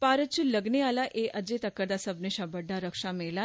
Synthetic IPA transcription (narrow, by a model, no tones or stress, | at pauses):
paɾət͡ɕuləɡnealaʔeʔəd͡ʑet̪əkːəɾd̪asəbneɕabəɖːaɾəkʂamela